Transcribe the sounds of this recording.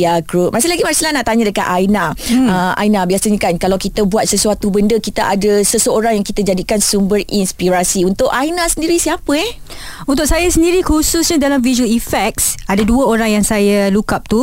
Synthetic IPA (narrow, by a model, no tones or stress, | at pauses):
jaɡɾup̚mas̬ɪlaɡimaɾsilanaʔt̪aɲãdəkaʔ̪ajnaaʔa̰jnabiasaɲãkankalawkit̪əbuat̪̚səsuat̪ubəndəkit̪aʔadəsəsəoɾaŋjaŋkit̪ad͡ʒadikansumbərinspiɾasiunt̪ʊʔajnasəndiɾisiapəɛ | unt̪ʊk̚sajasəndiɾikusʊsɲadalamviʒuəlifɛk̚sadaduəoɾaŋjaŋsajalukap̚t̪u